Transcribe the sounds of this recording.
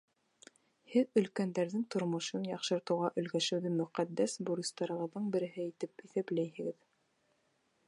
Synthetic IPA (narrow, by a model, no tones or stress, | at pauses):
hɘðɵ̆lkænd̪æɾðɘŋt̪ŏɾmŏʃɤnjɑqʃɤ̆ɾt̪ɤ̆wʁɑʔɵ̆lɡæʃɘ̆wðɘmɵ̆qæd̪ːæsbuɾʲist̪ɑɾɤ̆ʁɤ̆ðːɤɴbɘ̆ɾɘ̆ɦɘit̪ɘpiθæplæjɦɘ̆ɡɘð